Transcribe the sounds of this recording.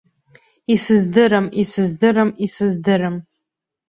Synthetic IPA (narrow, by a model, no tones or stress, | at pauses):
isɨzdɨɾɨmisɨzdɨɾɨmisɨzdɨɾɨm